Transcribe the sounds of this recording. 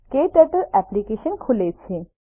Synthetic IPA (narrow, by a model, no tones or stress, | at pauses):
keʈəʈəlɛplikeʃənkʰulet͡ɕʰe